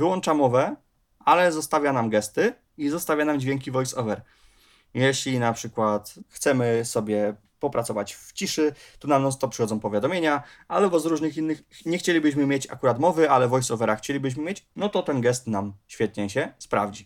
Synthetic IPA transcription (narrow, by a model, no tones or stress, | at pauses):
vɘwɔnt͡ʂamɔvɛ | alɛzɔst̪avʲjanamɡɛst̪ɘ | izɔst̪avʲjanamd͡ʑvʲjeŋk̬ʲivɔjsɔvɛɾ | jɛɕlʲinapʂɘkwat̪xt̪sɛmɘsɔbʲjɛ | pɔpɾat̪ɔvat͡ɕft͡ɕiʂɘt̪unanɔst̪ɔpʂɨxɔd̪ɔ̃w̃pɔvʲjad̪ɔmʲjeɲaalɛbɔzɾuʐnɘxinːɘxɲɛxt͡ɕelʲibɘɕ̬mɘmʲjet͡ɕa̰kuɾat̪mɔvɘalɛvɔjsɔvɛɾaxt͡ɕelʲibɘɕ̬mɘmʲjet͡ɕnɔt̪ɔt̪ɛnɡɛst̪namɕfʲjɛt̪̚ɲɛɕɛspɾa̰vd͡ʑi